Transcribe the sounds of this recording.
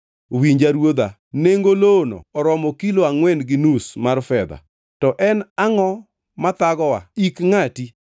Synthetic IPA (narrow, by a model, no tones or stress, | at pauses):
wiɲd͡ʒaɾwod̪a | neŋɡolono̰ːɾɔmɔkiloaŋwɛnɡɪnusmarfɛd̪a̰ | tɔʔɛnaŋɔ | mat̪aɡɔwa̰ikŋati